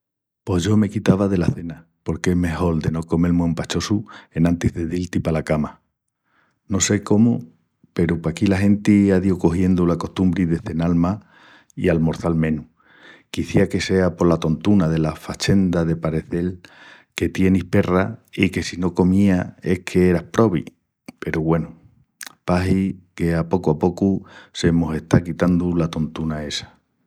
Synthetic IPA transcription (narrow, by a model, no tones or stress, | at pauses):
po̞ʝo̞me̞kit̪aβaðe̞laθe̞na | po̞ɾkeeɦme̞ho̞ld̪e̞no̞ko̞me̞lmwẽmpat͡ʃo̞sue̞nãnt̪izðeðilt̪ipalakama | no̞se̞ko̞mu | pe̞ɾupakilaɦe̞nt̪iaðjoko̞hje̞nd̪ulako̞ht̪umbɾiðe̞θe̞nalma | ḭalmo̞ɾθalmẽ̞nu | kiθiake̞se̞apo̞lat̪o̞nt̪unaðe̞lafat͡ʃe̞nd̪aðe̞paɾe̞θe̞lke̞t̪je̞nihpe̞raike̞sino̞ko̞mĩae̞hkʰe̞eɾahpɾo̞βḭ | pe̞ɾuɣwe̞nu | paɦike̞apo̞kuapo̞kuse̞mose̞ht̪akit̪and̪ulat̪o̞nt̪unae̞sḁ